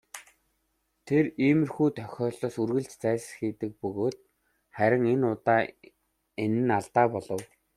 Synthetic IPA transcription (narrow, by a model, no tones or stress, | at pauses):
t̪ʰeriːmɘ̆rxuːt̪ʰœxʲɔːɮɔːsurɣɘ̆ɮt͡ɕt͡sæːsxiːt̪ɘ̆k̚pɵɣoːt̪ | χæɾʲɪ̆ŋenʊt̪aː | enɘ̆naɮt̪aːpɔɮɞ̆w